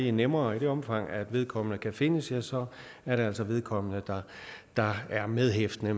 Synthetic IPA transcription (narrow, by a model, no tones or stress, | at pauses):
inemɐːid̥e̝ɒ̽mfɑ̈ŋ̰æd̥ʋe̝ð̞ˠkʰɒ̽m̰ənəkʰæfe̝nəsjæsɒ̽ | æɐɾeæl̰sɒ̽ʋe̝ð̞ˠkʰɒ̽m̰ənəd̥ɑ̈d̥ɑ̈æɐmeð̞ˠɦefd̥ənə